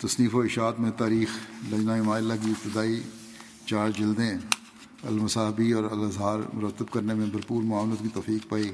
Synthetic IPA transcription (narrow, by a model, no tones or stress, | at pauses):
t̪ɐsniːfoɪʃaːt̪mẽt̪aːɾiːxlɐd͡ʒnaɪmaːɪlːak̬iɪp̚t̪ɪd̪aːi | t͡ʃaːɾd͡ʒɪld̪ẽ | ɐ̰lmʊsaːɦbiɔːɾɐ̰lɐzɦaːɾmʊɾət̪ːəbkɐɾnemẽbɐɾpuːlmʊaːʋnət̪kit̪oːfiːk̚paːiː